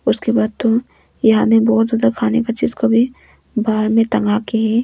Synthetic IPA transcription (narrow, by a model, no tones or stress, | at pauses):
ʊskebaːd̪̚t̪o | jɐɦãmẽbɔːt̪zjaːd̪akʰaːnekat͡ʃiːzkobʱi | baːɾmẽt̪ɐ̃ŋɡaːkeɦɛː